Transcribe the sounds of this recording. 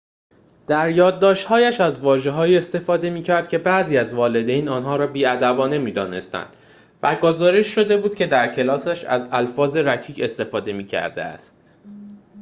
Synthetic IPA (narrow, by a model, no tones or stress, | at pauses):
d̪̥æɾjɒːd̪̚ːɒːʃt̪hɒːjæʃæzvɒːʒe̞ɦɒːiːe̞st̪e̞fɒːd̪e̞miːcʰæɾd̪̚cʰʲe̞bæʔziːæzvɒːle̞d̪ejnɒːnɦɒːɾɒːbiːæd̪æbɒːne̞miːd̪ɒːne̞st̪æ̰nd̪̥ | væɡozɒːɾe̞ʃːo̞d̪e̞buːd̪̚cʰʲe̞d̪æɾcʰe̞lɒːsæʃæ̰zælfɒːze̞ɾæcʰiːce̞st̪e̞fɒːd̪e̞miːcʰæ̰ɾd̪ḛæ̰st̪̚